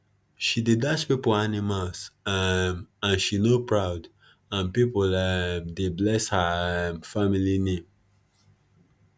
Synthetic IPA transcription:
ʃidedat͡ʃpipolanimals | ãnʃinopɹaʊd | ãnpipodeblɛshafamilinẽm

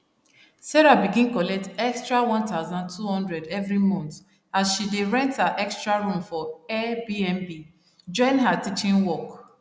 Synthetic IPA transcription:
sɛɹabiɡĩnkɔlɛk̚tɛkstɹawɔ̃ntaʊzãntʰuhɔ̃ndɹɛdɛvɹimɔ̃nt | asʃideɹɛ̃nthaʔɛkstɹaɹũmfɔɛbiɛ̃nbi | d͡ʒɔ̃ɪ̃nɦatit͡ʃĩnwɔk

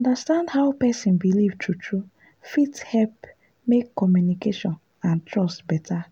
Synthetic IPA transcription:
ɔ̃ndastãndhaʊpɛsĩnbilivtʰutʰɹu | fithɛlp | mekːɔmjunikeʃɔ̃n | ãntɹɔstbɛtʰa

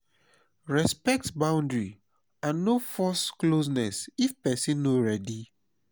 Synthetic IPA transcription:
ɹɛspɛk̚tbãʊ̃ndɹi | ãnːofɔsklos̬nɛsifpɛsĩnːoɹɛdi

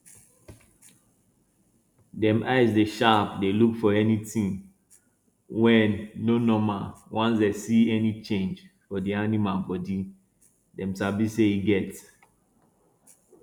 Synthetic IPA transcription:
dɛ̃mʔaɪzdeʃapdelukfɔɛnitĩn | wɛ̃nːonɔ̃mawãnsdesiɛnit͡ʃẽnd͡ʒ | fɔdianimabɔdi | dɛ̃msabiseiɡɛt

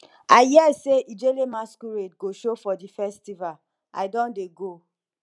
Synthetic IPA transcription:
aɪhɛseʔid͡ʒelemaskuɾetɡoʃofɔdifɛstival | a̰ɪdɔ̃ndeɡo

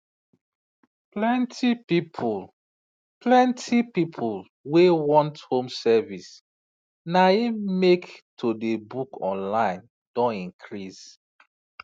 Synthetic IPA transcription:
plɛ̃ntʰipipʰul | plɛ̃ntʰipipʰul | wewɔ̃nthõmsɛvis | naimektʰodebukʰɔ̰̃nlãɪ̃n | d̥ɔ̃nĩŋkʰɹis

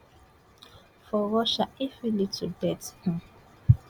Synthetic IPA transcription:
fɔɹɔʃaifilitʰudɛthũ

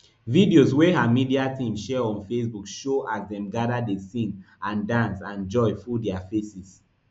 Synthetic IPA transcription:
vidiozweɦamidiatʰĩmʃɛɹɔ̃nfes̬bukʃoʔazdɛ̃mɡadadesĩn | ãndãnsãnd͡ʒɔɪfudɛafesis

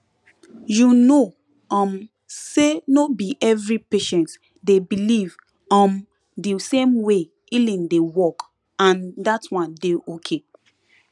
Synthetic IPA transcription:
juno | ɔ̃m | senobiʔɛvɹipeʃɛ̃nt | debiliv | ɔ̃m | disẽmwe | ilĩndewɔk | ãndatwãndeokʰe

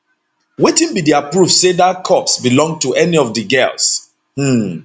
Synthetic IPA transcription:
wetĩnbidiapɹufsedakʰɔpsbilɔ̃ŋɡ̚tuʔɛniɔfdəɡɜls | h̩

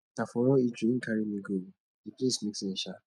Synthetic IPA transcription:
tafɔɾɔid͡ʒikʰaɾimiɡo | diplesmiksɛ̃ʃa

